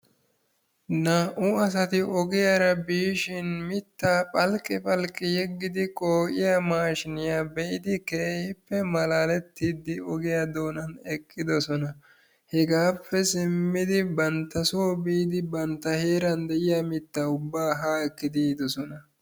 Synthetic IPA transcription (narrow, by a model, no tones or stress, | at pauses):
naʔʊɐs̬ɐt̪ɪʔɔɡɪjaɾɐbiːʃɪnmɪt̪ːaːpʼɐlkʼːɪpʼɐlkʼːɪjɛɡːɪd̪ɪkʼoːʔɪjamaːʃɪnɪjaːbɛʔɪd̪ɪkeːhɪpːɛmɐlaːlɛt̪ːid̪ɪɔɡɪjad̪o̞ːnɐnɛkʼːɪd̪ɔsɔnɐ | hɛɡaːpʰːɛsɪmːɪd̪ɪbɐnt̪ːɐsoːbiːd̪ɪbɐnt̪ːɐheːɾɐnd̪ɛʔɪjamɪt̪ːɐʊbːaːɦaːɛkːɪd̪iːd̪ɔsɔnɐ